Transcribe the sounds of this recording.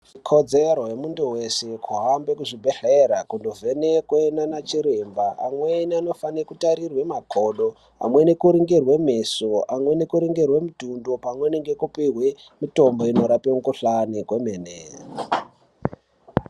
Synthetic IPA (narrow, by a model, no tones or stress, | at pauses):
ʐikʰo̞d͡zeɾoɦemunduwese̞kʰuɦambe̞kuʐibʱeɬeɾakundove̞nekwenanat͡ʃiɾembaamweniano̞fanekutaɾirwe̞makʰo̞ɗo̞ | a̰mwe̞nekuɾiŋɡirwe̞me̞so̞amwe̞nekuɾiŋɡerwe̞mutundopamwe̞neŋɡe̞kupiɦwe | mito̞mbo̞ino̞ɾapemukuɬanikwe̞meneːra